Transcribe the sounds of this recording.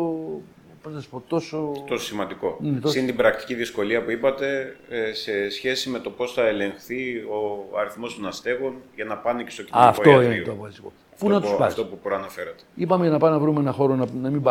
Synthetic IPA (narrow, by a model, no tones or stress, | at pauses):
o | poznɐsi̥po̞t̪o̞sot̪o̞sosimɐnd̪iko̞net̪ossint̪ibɾɐk̚t̪i̥ciðisko̞liɐpuipɐt̪e̞se̞sçe̞sime̞t̪o̞po̞sθɐe̞le̞ŋxθio̞ɐɾiθmo̞st̪onɐst̪e̞ɣonʝɐnɐpɐnece̞st̪o̞ciɐfotoinet̪oɐpofɐst̪iko̞ | fpunɐt̪usspɐft̪opupɾoɐnɐfe̞ɾɐt̪eipɐmeʝɐnɐpɐnɐvɾumeenɐxo̞ɾonɐnɐmimbɐ